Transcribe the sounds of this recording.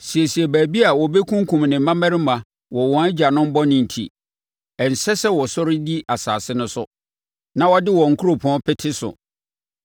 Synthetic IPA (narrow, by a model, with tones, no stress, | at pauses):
si˨ɛ˨si˨ɛ˨bæː˨bi˦a˨wɔ˨be˦kʰũ˦ŋ˦kʰũ˨mnɪ̃˨m˦mã˦mæ̃˦ɾɪ˦mã˨ | wɔ˨wɔ̃˨˦æ˦d͡ʑa˨nʊ̃˦m̩˦bɔ˦nɪ̃˨n̩˨tʰḭ˨ | ɛ˨n̩˨sɛ˦sɛ˦wɔ˨sɔ˦ɾɪ˦di˦ʔa˨sa̰ː˨sɪ˦nʊ̃˦sʊ̰˦ | nã˦wɔ˦dɪ˦wɔ̃˨ŋ̩˨kʰu˦ɾo˨pʰɔ̃˦pʰɪ˦tʰɪ˦sʊ̰˨